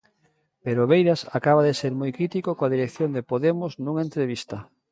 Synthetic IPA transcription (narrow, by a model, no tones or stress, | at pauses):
peɾoβejɾasakaβ̞aðeseɾmojkɾit̪ikokoaðiɾekθjond̪epoðemʊznũŋaent̪ɾeβ̞ist̪ɐ